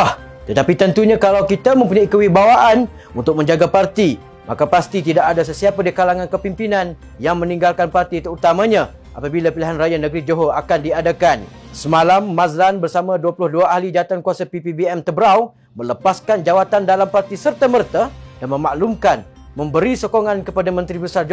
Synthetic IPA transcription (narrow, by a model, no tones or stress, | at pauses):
ah | t̪ət̪apit̪ənt̪uɲãkalawkit̪amə̃mpuɲaikəwibawaʔan | unt̪ʊk̚mə̃ɲd͡ʒaɡapart̪i | ma̰kapast̪it̪idaʔadas̬əsiapadikalaŋankəpimpinan | jaŋmə̃nĩŋɡalkanpart̪it̪əut̪amãɲã | ʔapabilapiliɦanrajanəɡɾid͡ʒoɦoakandiadakansəmalamːazlanbərsamãduapulʊhduaʔahlid͡ʒaat̪ankuasapipibiɛmt̪əbəɾaw | mə̃ləpaskand͡ʒawat̪andalampart̪isərt̪amərt̪adanmə̃maʔlumkan | mə̃mbəɾisokɔŋankəpadamə̃nt̪ɾibəsard͡ʒ